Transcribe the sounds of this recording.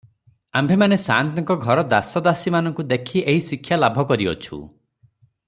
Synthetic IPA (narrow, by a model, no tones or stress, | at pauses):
ambʱemanesant̪̬ɔŋkɔɡʱɔɾɔd̪asɔd̪asimanɔ̃ŋkud̪ekʰieɦisikʰjalabʱɔkɔɾiɔ̰t͡ʃʰṵ